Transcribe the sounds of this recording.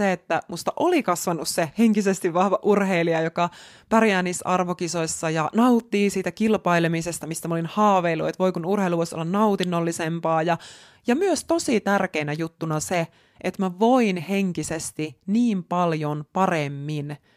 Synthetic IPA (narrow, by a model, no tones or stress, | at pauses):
eet̪ːæmust̪ɑʔolikɑsʋɑnːusseheŋkisest̪iʋʋɑhʋɑʔurheiliɑjokɑ | pærjæːniːsːɑrʋokisoisːɑjɑnɑut̪ːiːsiːt̪ækilpɑilemisest̪ɑmist̪æmæolinhɑːʋeilːuḛt̪ʋo̞ikunurheiluʋoisolːɑnnɑut̪inːolːisempɑːjɑ | jɑmyøst̪o̞sit̪ærkeinæjut̪ːunɑse | ʔet̪mæʋo̞inhe̞ŋkisest̪iniːmpɑljonpɑremːin